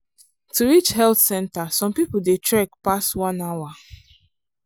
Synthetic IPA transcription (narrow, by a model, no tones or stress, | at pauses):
tʰuɹit͡ʃhɛlθsɛ̃ntasɔ̃mpipl̩detʰɹɛkpastwãnawa